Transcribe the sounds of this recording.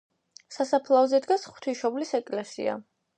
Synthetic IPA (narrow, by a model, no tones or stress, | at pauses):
sasapʰlˠavzɛd̪ɡasχu̥t̪ʰiʃɔblisɛkʼlɛsḭa̰